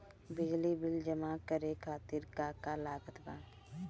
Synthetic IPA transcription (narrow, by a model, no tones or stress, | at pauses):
bɪd͡ʒlibɪld͡ʒəmakəɾekʰaːt̪ɪɾkaːkalaːɡət̪bãː